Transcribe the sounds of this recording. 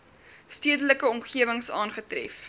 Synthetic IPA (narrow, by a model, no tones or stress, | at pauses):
stiədələkəɔmχiəvəŋsɑːnχətrɛ̰f